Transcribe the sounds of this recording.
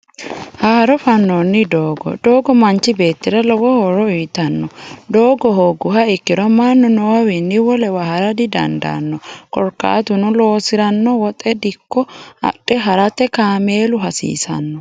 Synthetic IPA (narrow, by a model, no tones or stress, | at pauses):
haːɾɔfɐnːonːɪd̪oːɡɔ̰d̪oːɡɔmɐnt͡ʃːɪbe̞ːt̪ːɪɾɐlɔwɔhɔɾɔiːt̪ɐnːɔd̪oːɡɔɦoɡʊhɐɪkːɪɾɔmaːnːɔnɔwawɛnːɪwɔlɛwahɐɾɐd̪ɪd̪ɐ̰nd̪a̰nːɔkɔɾkːa̰ːt̪ʊnɔlo̞ːsɪɾɐnːɔwɔt̪ʼɛd̪ɪkːɔɐ̰ɗɛɦɐɾɐt̪ːɛkaːmeːlʊɦɐsḭːsɐ̰nːɔ